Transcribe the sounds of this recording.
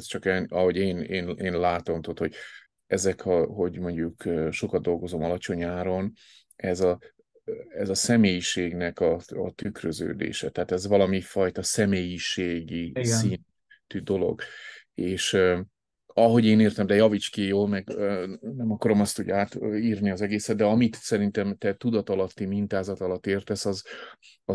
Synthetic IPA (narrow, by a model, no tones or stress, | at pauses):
st͡ʃɒkɛnɒɦo̞ɟeːneːneːnlaːt̪o̞mt̪oːt̪ho̞ɟ | ɛzɛkɒɦo̞ɟmo̞ɲɟukøʃo̞kɒd̪̚d̪o̞lɡo̞zo̞mɒlɒt͡ʃo̞ɲaːɾo̞n | ɛzɒ | ɛzɒsɛmeːjiʃeːɡnɛkɒɒt̪ykrøzø̰ːd̪ḛːʃɛt̪ɛɦaːt̪ɛzʋɒlɒmifɒjt̪ɒsɛmeːjiʃeːɡisin | t̪yd̪o̞lo̞̰ɡeːʃ | ɒɦo̞ɟeːneːrt̪ɛmd̪ɛjɒvit͡ʃkejoːlmɛɡønɛmɒkɒɾo̞mɒst̪uɟaːt̪iːrniɒzɛɡeːsɛt̪d̪ɛɒmit̪sɛɾint̪ɛmt̪ɛt̪ud̪ɒt̪ɒlɒt̪ːimint̪aːzɒt̪ɒlɒt̪ːeːrt̪ɛsɒz | ɒ